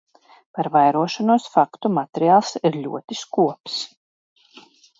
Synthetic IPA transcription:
paɾvajɾuɔʃanuɔsfakt̪umat̪ʲeɾiaːlˠsiɾʎʲṵɔt̪iskuɔps

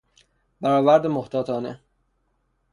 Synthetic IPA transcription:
bæɾɒːvæɾd̪emoht̪ʰɒːt̪ʰɒːne

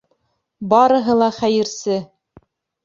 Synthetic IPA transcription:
bɑɾɤ̆ɦɤlˠɑχæjɘ̆ɾsɘ

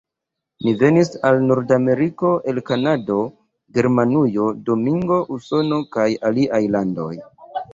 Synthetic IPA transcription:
nive̞nisalnuɾdame̞ɾiko̞ʔe̞lkanado̞ | ɡe̞ɾmanujo̞do̞miŋɡo̞ʔuso̞no̞kajaliʔajlando̞̰j

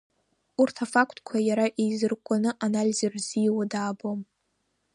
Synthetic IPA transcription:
urtʰafakʷʰtʰʼkʷʰajaɾaʔejzɨrkʷʼanɨʔanalʲizarzijwadaːbom

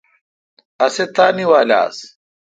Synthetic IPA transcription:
ɐset̪aːniwaːla̰ːs

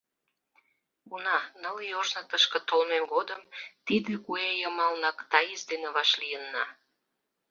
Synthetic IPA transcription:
ɡunɑnəlioʃnət̪əʃkə̆t̪olmemɡod̪əmt̪id̪ekuejəmɑlnɑkt̪ɑjesd̪eneβɑʃlijənːɑ̰

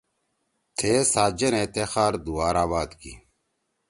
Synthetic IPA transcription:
t̪ʰeːsaːd͡ʑɐnet̪exaːɾd̪uaːɾaːβaːd̪kḭ

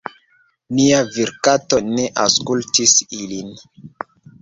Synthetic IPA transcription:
niaviɾkato̞ne̞ʔaskultisilin

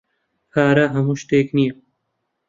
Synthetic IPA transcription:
pʰaːɾɐɦɐmuʃt̪eːknijɐ

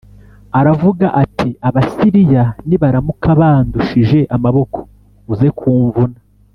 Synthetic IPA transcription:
aɾavuɡaʔatʰiaβasiɾijaniβaɾamukaβanduʃiʒe̞ʔamaβo̞kʰo̥ | uze̞kʰuːɱvuna

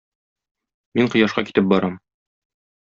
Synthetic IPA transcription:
miɴqɤ̆jɑʃqɑ̰ki̥t̪ɘp̚bɒɾɑm

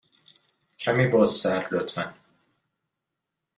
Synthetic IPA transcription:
cʰæmiːbɒːsæɾlot̪ʰmæn

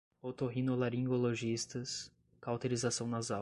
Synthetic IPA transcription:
ot̪oɦĩnolaɾĩŋɡoloʒist̪ɐs | kawt̪eɾizasɐ̃w̃nɐza

